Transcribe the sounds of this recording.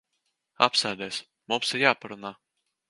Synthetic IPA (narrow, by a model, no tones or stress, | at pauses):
a̰psæːd̪ɛːs | mumsiɾjaːpaɾunaː